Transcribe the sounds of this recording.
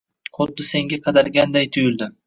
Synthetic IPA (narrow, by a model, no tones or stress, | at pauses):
qʰot̪̚d̪ɪse̞ŋʲaqʰɑd̪alɡʲand̪ajt̪ʰʊjʊlˠd̪ɪ